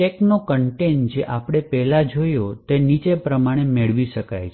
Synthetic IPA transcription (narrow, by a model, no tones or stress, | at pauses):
ʈeknokəɳʈend͡ʒeʔapɽ̃epɛlad͡ʒoijot̪enit͡ʃepɾəmaɽ̃emeɭʋiʃəka̰jt͡ʃʰ